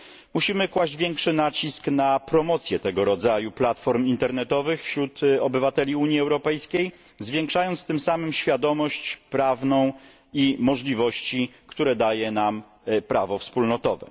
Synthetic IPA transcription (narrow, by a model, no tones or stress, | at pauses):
muɕimɘkwaʑd͡ʑvʲjɛŋkʂɘnat͡ɕisknapɾɔmɔt̪sʲjɛt̪ɛɡɔɾɔd̪zajuplat̪fɔɾmint̪ɛɾnɛt̪ɔvɘxfɕɾut̪ɔbɘvat̪ɛlʲiuɲjiɛwɾɔpɛjskʲej | zvʲjɛŋkʂajɔnt̪st̪ɘmsamɘmɕfʲjad̪ɔmɔɕt͡ɕpɾavnɔ̃w̃ | imɔʐlʲivɔɕt͡ɕikt̪uɾɛd̪ajɛnam | pɾʔavɔfspulnɔt̪ɔvɛ̰